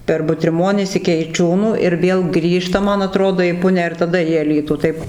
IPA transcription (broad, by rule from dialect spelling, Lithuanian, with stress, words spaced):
pʲɛr bʊtʲrʲɪˈmoːnʲɪs ɪkʲɪ ɛɪˈt͡ʃʲuːnuː ɪr ˈʋʲeːlˠ ˈɡrʲiːʃtɐ ˈmɐn ɐˈtroːdoː iː ˈpʊnʲæː ɪr tɐˈdɐ iː ɐˈlʲiːtuː ˈtɐɪp